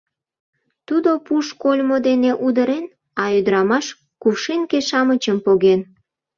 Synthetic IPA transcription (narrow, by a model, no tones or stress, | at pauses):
t̪ud̪opuʃkolʲmod̪eneʔud̪əɾen | ɑyd̪əɾɑmɑʃ | kuwʃinkeʃɑmət͡ɕəmpoɣen